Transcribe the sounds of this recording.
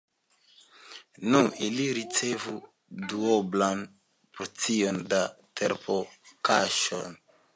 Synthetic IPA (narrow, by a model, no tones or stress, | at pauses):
nuiliɾit͡se̞vu | duoblan | pɾot͡siondatʰeɾpʰokʰaʃo̰n